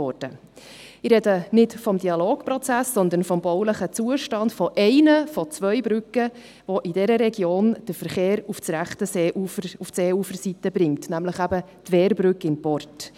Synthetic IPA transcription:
ɔːd̥ə | ɪrɾɛdənɪdfɔmdiɑloːkpɾɔt͡sæsːɔnd̪ənfɔmbɔwləχət͡suəʃtɑndfɔʔɛɪnəfɔt͡svʋœʏbɾʏkːə | vɔʔidɛɾəɾɛɡjoːnd̥əɾfəɾχeːɾuft͡sɾæχtəseʔuufseːufəɾsitəbɾɪŋtnæmləχæbə | tʋɛːɾbɾʉkɪnpɔrt

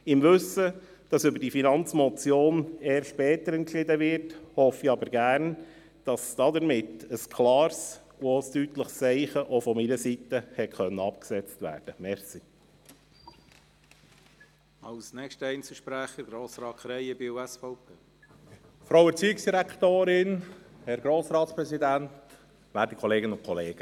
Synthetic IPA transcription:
ɪmʋɵsə | d̥ɑsʏbəɾdifinɑnt͡smɔt͡sjoːneːɾʃpɛːtəɾɛnkʃɪd̪əʋɪɾthɔfiɑbəɾɡ̥æːrn | d̥ɑsd̥ɑdəɾmɪtəskʰlɑːɾs | ostytləχst͡sɛɪχəʔofɔminəsitəhɛtχœnːəɑpksɛt͡stvʋæ̰ːd̥əmɛɾsi | ɑlsnɛkʃtəɛɪnsəʃpɾæχəɾɡɾoːsɾɑːtkʰɾɛjəbiuɛsfɔʊpʰeː | fɾowɛɾt͡siːɪksd̥iɾækʰt̪oːɾɪnhɛɾɡɾoːsɾɑːt̪spɾɛsidænt | ʋæːɾtikʰɔleːɡənʊnkʰɔleːɡ̥ə

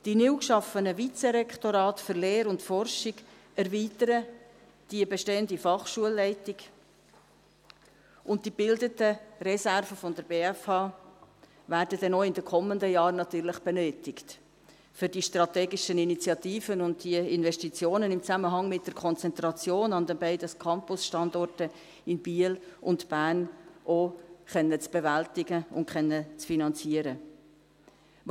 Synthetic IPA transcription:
d̥inɪwkʃɑfənəvit͡sɛɾɛkχtoɾɑːtfʏɾleːɾʊntfɔrʃɪɡ | ɛɾviːtəɾə | d̥iəbɛʃteːəndifɑχʃuəlːɛɪtɪɡ | ʔʊnt̚d̥ibɪldətəɾɛsærvəfɔndəɾbeːæfhɑː | væːɾdədɛnoːɪndəkʰɔməndəjɑːɾnɑt̪yːɾlɪχb̥ɛnøːtɪkt | fʏɾdiʃtrɑtɛːɡɪʃəninit͡sjɑt̪iːfənʊnd̚d̥iəɪnvɛʃtit͡sjoːnənɪmt͡sæməɦɑŋmɪt̚d̥əɾkʰɔnt͡sɛnt̪ɾɑt͡sjoːnɑnd̪ɛnbɛɪdəskʰɑmpʊsʃtɑndɔrtə | ɪnb̥iːəlʔʊntb̥æːnʔoχɛnːət͡sb̥ɛvæltɪɡəʊ̰ntχɛnːət͡sfinɑnt͡siəɾə

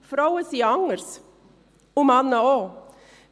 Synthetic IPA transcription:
fɾɑʊəsiːɑŋəɾs | ʊmɑnəoː

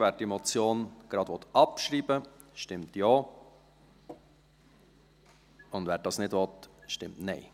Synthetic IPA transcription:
ʋɛːɾdimɔt͡sjoːnɡ̥ɾɑd̥̪ʋɔt̪ɑpʃɾiːbə | ʃtɪmtjɑː | ʊndʋɛːɾd̥ɑsnɪdʋɔt̪ʃtɪmtnɛɪ

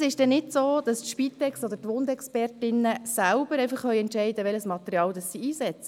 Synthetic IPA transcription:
sɪʃd̥ɛnɪtsoːd̥̪ɑstʃpit̪ɛkstɔd̪əɾtʋond̪ɛkspɛrtɪnːəsælb̥əɾɛɪfɑχχœʏɛntʃɛɪd̪əʋɛləsmɑt̪eɾiɑːld̪ɑsːiiːsɛt͡sə

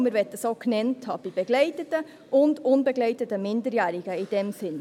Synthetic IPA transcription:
məɾʋɛt̚dəsoknɛntʰhɑb̥ib̥ɛɡlɛɪtətə | ʔʊndʊnbɛɡlɛɪtətəmɪndəɾjæːɾɪɡ̥əɪd̥ɛmsɪn

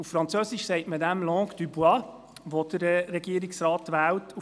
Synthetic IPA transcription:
uffɾɑnt͡søːsiʃsɛɪtmədæmlɔ̃ːkd̥̪ybwɑ | ʋod̪̥əɾrɛɡiəɾiksɾɑːt̪ʋæːwtʰu

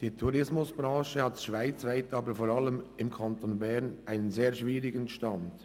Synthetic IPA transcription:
d̥iːtʰuɾɪsmʊsb̥ɾɑ̃ːʃəhɑltsʃvaɪt͡svaɪtɑːbəfoɾɑləmɪmkʰɑntonbɛʁnʔaɪnənzeːɐʃviːɾɪɡənʃtɑnd̥

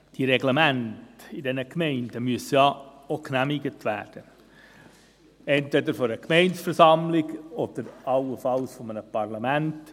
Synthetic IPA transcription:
d̥iɾɛɡlɛmæntɪdɛnəkmɛɪndəmyəsəjɑoknæmiɡətʰʋæ̰ːɾd̥ə | ɛntvɛdəɾfɔɾəkmɛɪnsfəɾsɑmlɪɡɔd̪̥əɾɑləfɑlsfɔmənəpɑrlɑmænt

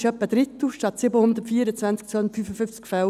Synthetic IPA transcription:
ʃœpːəd̥̪ɾɪt̪əʃtɑt̪sɪbəhʊnd̪ətfiːɾət͡sʋænt͡sk̚t͡sondətfyfəfʏft͡skfɛl

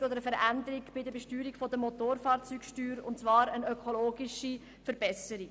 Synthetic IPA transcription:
od̪əɾəfəɾænd̪əɾiɡb̥ɪd̪əbɛʃtyːɾikfɔd̪əmot̪oːɾfɑːɾt͡syːkʃtyːɾʊntt͡sʋɑːɾənœkʰoloːɡɪʃi | fəɾbɛsəɾik

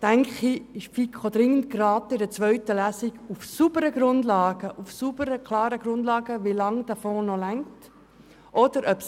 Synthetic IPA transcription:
d̥æŋkχiɪʃfikχod̪ɾɪŋːəntkrɑːtɪdət͡sʋœʏtəlæːsiɡufsubəɾəɡɾʊndlɑːɡ̥əʔufsub̥əɾəkʰlɑːɾəɡ̥ɾʊndlɑːɡəʋilɑŋd̥ɑfɔːnɔlæŋt | ʔɔd̥əɾʔœps

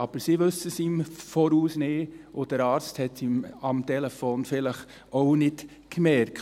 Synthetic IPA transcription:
ɑb̥əɾsiʋɵsəsimfoːɾuːsnɪːʊd̥əɾɑːɾt͡sthɛtimɑmtɛlɛfoːnfɪləχ | oʊnɪt | kmɛɾk

